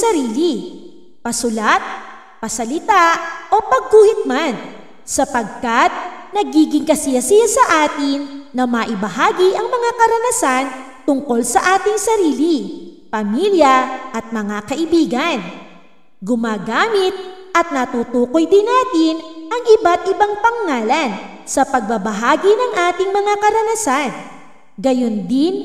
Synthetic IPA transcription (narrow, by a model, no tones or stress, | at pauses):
sɐɾiːlɪ | pɐsʊlat̪̚ | pɐsɐlɪt̪aʔʔo̞pɐɡ̚kuːhɪt̪̚man | sɐpɐɡ̚kɐt̪̚nɐɡiːɡɪŋkɐsɪɐsɪjɐsɐʔaːt̪ɪŋːɐmɐʔɪbɐɦaːɡɪʔɐŋmɐŋakɐɾɐnasan | t̪ʊŋko̞lsɐʔaːt̪ɪŋsɐɾiːlɪ | pɐmiːljɐʔɐt̪̚mɐŋakɐʔɪbiːɡɐn | ɡʊmaːɡaːmɪt̪̚ʔɐt̪̚nɐt̪ut̪uːkojd̪ɪnaːt̪ɪnʔɐŋʔɪbat̪̚ʔɪbaŋpɐŋŋaːlɐn | sɐpɐɡ̚bɐbɐɦaːɡinɐŋʔaːt̪ɪŋmɐŋakɐɾɐnasan | ɡɐjo̞nd̪ɪn